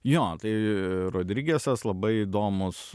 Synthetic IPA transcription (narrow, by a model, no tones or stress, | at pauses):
joːt̪ɐɪɾoːd̪ʲɾʲiːɡʲeːsʲɛslˠɐbɐɪiːd̪oːmʊs